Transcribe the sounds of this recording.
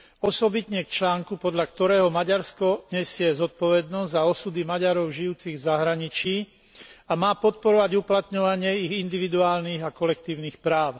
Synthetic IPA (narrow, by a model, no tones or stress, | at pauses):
ɔsɔbit̪ɲɛkt͡ʃlaːŋkupɔd̪ʎakt̪ɔɾɛːɦɔmaɟaɾskɔɲɛsɪɛzɔt̪̚pɔʋɛd̪nɔzzaɔsud̪imaɟaɾɔʊʒijuːt͡siɣvzaɦɾaɲit͡ʃiː | amaːpɔt̪̚pɔɾɔʋaɟuplat̪ɲɔʋaɲɪɛiɣind̪iʋid̪uaːlniːɣakɔlɛk̚t̪iːʊniːxpɾaːʊ